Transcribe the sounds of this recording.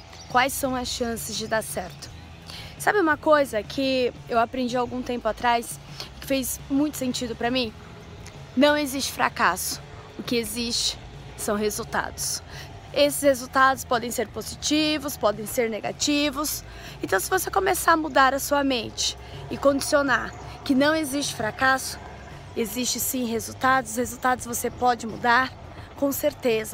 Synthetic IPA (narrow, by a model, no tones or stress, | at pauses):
kwajsːɐ̃w̃ɐsʃɐ̃sɪzd͡ʒɪd̪aɾsɛɾt̪ʊ̥ | sabɪũmɐkojzɐkʰɪewapɾẽnd͡ʒiawɡũt̪ẽmpʊat̪ɾajs | ɪkɪ̥fejzmũj̃t̪ʊ̥sẽnt͡ʃid̪ʊpɾɐmĩ | nɐ̃w̃ezist͡ʃɪ̥fɾa̰kasʊ̥ | ʊkɪezist͡ʃɪ̥ | sɐ̃w̃ɦezut̪a̰d̪ʊs | esɪ̥shezuwt̪ad̪ʊspɔd̪ẽj̃seɾpozit͡ʃivʊspɔd̪ẽj̃seɾneɡat͡ʃivʊs | ẽnt̪ɐ̃w̃sɪvosekõmesaɾmud̪aɾɐsuɐmẽnt͡ʃɪ̥ | ɪkõd͡ʒi̥sionaɾkɪnɐ̃w̃ezist͡ʃɪ̥fɾakasʊ̥ | ezist͡ʃɪsĩɦezuwt̪ad̪ʊshezuwt̪ad̪ʊzvosepɔd͡ʒɪmṵd̪aɾ | kõseɾt̪ezɐ